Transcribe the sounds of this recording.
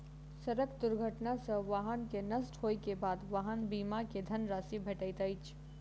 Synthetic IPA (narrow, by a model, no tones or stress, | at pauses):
səɾəkd̪uɾɡʱəʈnasəʋaɦənkenəsʈɦojkebad̪ʋaɦənbimaked̪ʱənɾasibʱeʈəjt̪əjt͡ʃʰ